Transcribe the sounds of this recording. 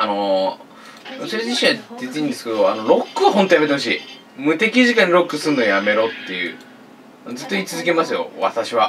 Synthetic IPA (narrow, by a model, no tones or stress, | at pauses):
ano̞ | ɾosiɾd͡ʑiɕĩad̪et͡sɨĩnd̪e̞sɨ̥ked̪o̞ano̞ɾo̞kːɯɦo̞nt̪o̞jamet̪eo̞ɕ̬ḭː | mɯ̟t̪e̞kʲiʑikãɲːiɾo̞kːɯsɨ̃nojame̞ɾo̞t̪ːe̞jɯ̟̰ː | nozɨt̪ːo̞iːt͡sɨzɨke̞masɨjo̞̰βa̰t̪aɕiβa